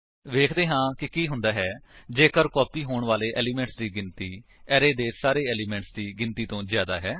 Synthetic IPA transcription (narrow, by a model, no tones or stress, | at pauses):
ʋeːkʰd̪eːɦãːkɪkiːɦʊnd̪aːɦɛːd͡ʒeːkəɾkɔːpiːɦoːɳʋaːleːʔɛːliːmɛ̃ːɳʈsd̪iːɡɪnt̪iːɛːɾeːd̪eːsaːɾeːɛːliːmɛ̃ːɳʈsd̪iːɡɪnt̪iːt̪õːzjaːd̪a̰ːɦɛː